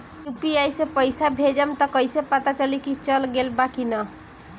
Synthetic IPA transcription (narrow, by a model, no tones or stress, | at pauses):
jupiajsepəjsabʱed͡ʒamt̪ɔkʌjsepat̪at͡ʃʌlikit͡ʃʌlɡelbakinʌ